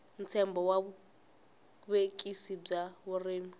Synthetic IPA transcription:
n̩t͡sʰɛmbɔwaβu | βekʼisib͡ʐaβureːmi

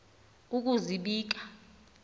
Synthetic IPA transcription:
uk̬uziɓiːk̬ḁ

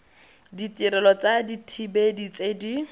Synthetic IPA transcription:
ditiɾɛlɔt͡saditʰibedit͡sedi

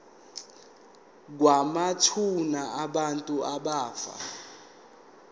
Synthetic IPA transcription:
k̬wamatʰunaaɓantʼuaɓaːfa̰

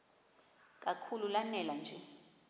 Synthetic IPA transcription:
k̬ʼakʰululanɛland͡ʒʱɛ

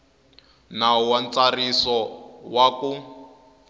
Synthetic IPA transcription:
nawant͡sarisɔwaku

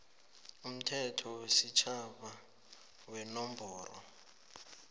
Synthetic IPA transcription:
um̩tʰɛtʰɔwesit͡ʃʰaɓa | wɛnɔmbʱɔːrɔ̰

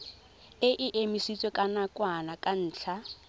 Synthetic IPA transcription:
ɪʔɪʔemisit͡sʼwɛkʼanakʼwanakʼan̩ːt͡ɬʰa

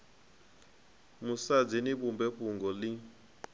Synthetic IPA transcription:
musad͡ziniɓumbɛɸuŋɡɔli

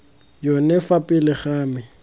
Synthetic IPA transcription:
jɔnɛfapʼɪlɪχaːmɪ

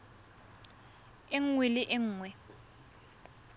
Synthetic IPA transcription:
ɪŋ̩ŋwɪlɪʔɪŋ̩ːŋwɛ

